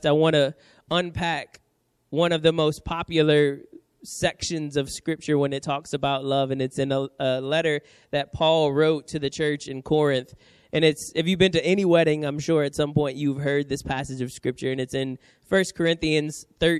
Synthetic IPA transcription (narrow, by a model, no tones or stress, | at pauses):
aɪwɑ̃nɨ | ə̃npʰæk | wʌ̃nʌvðɨmoʊspʰɑpjl̩ˠə˞ | sɛkʃɨ̃nzʌv̥skɹɪp̚t͡ʃə˞wə̃nɨtʰɔksɨbaʊtˡlʌvɨ̃nɨtsɨ̃nəəlɛɾə˞ | ðɨt̚pʰɔlˠɹoʊtʰɨðɨt͡ʃʰɜ˞t͡ʃɨ̃nkʰɔɹɨ̃nθ | ʔɨ̃nɨtsɨfjɨbɨ̃ntɨɛniwɛɾɪ̃ŋãɪ̃mʃʊɹɨtsʌ̃mpɔ̃ɪ̃nt͡ʃʉv̥ɦɜ˞d̪̚ðɪspʰæsɨd͡ʒʌv̥skɹɪp̚t͡ʃə˞ɨ̃nɨtsɨ̃n | fɜ˞skʰə˞ɪ̃nθiɨ̃nz̥θɜ˞